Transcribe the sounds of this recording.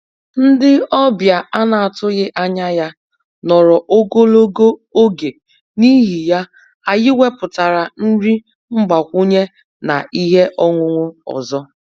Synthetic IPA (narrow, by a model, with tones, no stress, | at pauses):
n̩˦dɪ˦ɔ˦bja˨a˦na˨a˨tʊ˦ɣɪ˦ʔa˦ɲa˦ja˦ | nɔ˨ɾɔ˨ʔo˦ɡo˦lo˦ɡo˦o˦ɡe˨ | ni˦ɦi˨ja˦ | a˨ɣɪ˦wʷe˦pʊ˨ta˨ɾa˨n̩˦ɾi˦ | ŋ͡m̩˦ɡ͡ba˨kʷu˦ɲe˦ | na̰˨ʔi˦ɦe˦ʔɔ˦ŋʷʊ˦ŋʷʊ˦ɔ̰˨zɔ˦